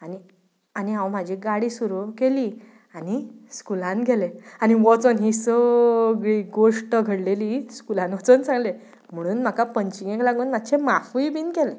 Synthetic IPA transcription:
ani | aniɦãwm̤ad͡ʑʱiɡaɽiːsuɾukeliː | añiskulãnɡʱɛleaniʋɔt͡sonɦiːsəɡɭiːɡoʂʈəɡʱəɽleliskulãnʋɔt͡sənt͡sãŋɡle | m̤əɽ̃uːnm̤akapəɲt͡ɕiɡẽklaɡuːnmat̪̚ːt͡ɕʰemafujbiːnkɛle

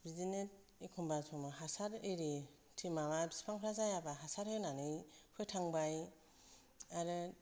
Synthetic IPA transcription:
bizinet̚ | ekʰɔmbasʰɔmaɦasaɾejɾi | tʰimamabisi̥pʰaŋpʰɾazajabaɦasaɾɯnanɯjpʰɯjtʰaŋbaj | aɾɯ

